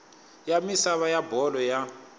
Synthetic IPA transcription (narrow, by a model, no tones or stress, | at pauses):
jamisaβajabʱɔlɔja